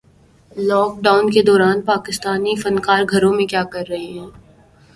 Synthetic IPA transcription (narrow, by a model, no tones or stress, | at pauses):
lɔːk̚ɖaːʊnked̪ɔːɾaːnpaːkɪst̪aːnifɐnkaːɾɡʱɐɾõmẽkjaːkɐɾːɐɦeɦɛ̃ː